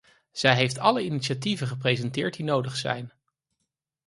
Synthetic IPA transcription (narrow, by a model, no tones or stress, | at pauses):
z̥ɛjɦejftɑləinitʃativənχəprejzɛntɪːɹt̚dinowdəχsɛ̰jn